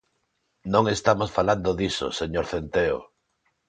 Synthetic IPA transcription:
nõŋest̪amosfaland̪oðiso̰seɲoɾθent̪eo̰

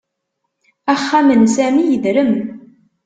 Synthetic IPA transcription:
æχːæmənsæmijəðɾəm

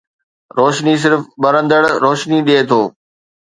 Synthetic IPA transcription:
ɾoːʃnis̬ɪɾfɓɐɾə̃nd̪əɽɾoːʃniɗieːt̪ʰoː

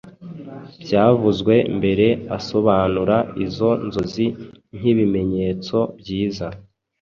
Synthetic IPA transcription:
bɟaːvuzɡwe̞mbe̞ɾe̞aso̞βaːnuɾaizo̞nzo̞zinŋ̥iβime̞ɲe̞ːt͡so̞bɟiːza

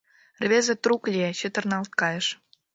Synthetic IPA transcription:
rβʲezĕt̪ruklʲiet͡ɕət̪ə̆rnɑlt̪̚kɑjəʃ

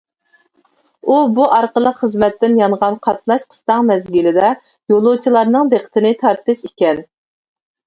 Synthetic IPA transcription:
ubuʔɑɾqəlˠəqχəzmɛt̪ːɪnjɑɴʁɑnqʰɑt̪lɑʃqʰə̥st̪ɑŋmɛzɡʲɪlɪd̪ɛ | jolˠʊt͡ʃʰilˠɑɾnɨŋb̪eqʰə̥t̪ʰɪnɪt̪ʰɑɾt̪ɨʃikʲɛn

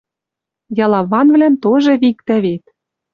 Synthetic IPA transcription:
jɑlˠɑβɑnvlænt̪oʒɤ̆βik̚t̪æβet̪̚

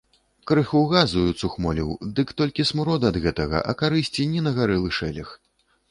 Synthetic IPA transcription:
kɾɨxuwɣazujut̪suxmɔlʲḭwd̪ɨkt̪ɔlʲkʲismuɾɔd̪ɨɐd̪ɣɛt̪ɐɣɐ̰ʔɐ̰kaɾɨsʲt͡sʲinʲɛnɐɣaɾɛlˠɨʂɛlʲɐx

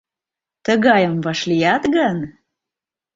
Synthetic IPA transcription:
t̪əɣɑjəmvɑʃlijɑt̪ɣən

